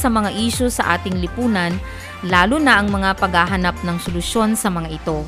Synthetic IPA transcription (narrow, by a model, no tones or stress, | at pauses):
sɐmɐŋaʔiːʃosɐʔa̰ːt̪ɪŋlɪpuːnɐn | laːlʊnɐʔɐŋmɐŋapɐɡhaɦɐnap̚nɐŋsolʊʃo̞nsɐmɐŋaʔɪt̪o̞